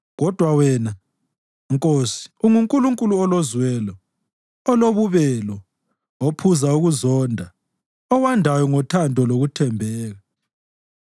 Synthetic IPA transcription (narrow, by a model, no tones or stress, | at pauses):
ɣɔd̥ʱwawɛna | ŋkʼoːsi̥uŋuŋkʼuluŋkʼuluɔlɔzwɛlɔ | ɔloβuβɛlɔ | opʰuzauɣuzɔndʱa | ɔwandʱajɔŋɔtʰandʱɔloɣutʰɛmbʱɛːɣa